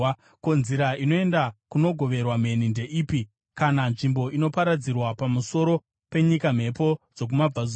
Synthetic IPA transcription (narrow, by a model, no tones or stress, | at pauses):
konziɾaino̞e̞ndakuno̞ɡʱo̞ʋe̞rwam̤e̞ninde̞ʔiːpi | kananʐimbo̞ʔino̞paɾad͡zirwapamuso̞ɾo | pe̞ɲikam̤e̞po̞d͡zo̞k̬umab͡vaz